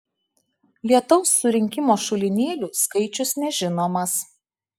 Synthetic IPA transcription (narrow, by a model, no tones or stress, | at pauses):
lʲiɛt̪ɔʊsːʊɾʲɪŋʲkʲɪmoːʃʊlʲɪnʲeːlʲuːskɐɪt͡ʃʲʊsnʲɛʒʲɪnoːmɐs